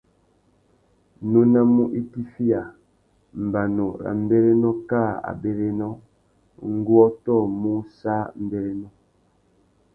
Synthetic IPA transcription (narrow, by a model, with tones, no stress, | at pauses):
no˦na˦mu˦ʔi˦ti˦fi˦a˨ | m̩˨ba˨no˨ɾa̰˨m̩˦be˦ɾe˦nɔ˦ka˦˨a̰˨be˦ɾe˦nɔ˦ | ŋ̩˦ɡwɔ˦tɔ˦˨mu˦sa˦m̩˦be˦ɾe˦nɔ˦